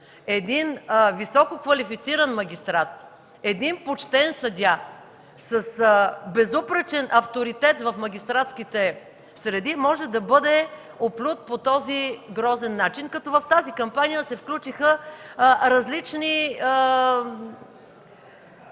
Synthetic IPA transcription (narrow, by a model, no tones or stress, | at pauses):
ɛd̪invisɔkokvɐlifit̪siɾɐnmɐɡ̟ʲist̪ɾat̪̚ | ɛd̪inpot͡ʃt̪ɛnsɐd̪ʲa | səsbɛzupɾɛt͡ʃɛnʔɐft̪oɾit̪ɛt̪vɐfmɐɡ̟ʲist̪ɾat̪skit̪ɛ | sɾɛd̪imɔʒɛd̪ɐbɤd̪ɛ | oplʲut̪̚pot̪ɔziɡɾɔzɛnːat͡ʃinkɐt̪ɔvɐft̪azikɐmpanijəsɛfklʲut͡ʃixə | ɾɐzlit͡ʃni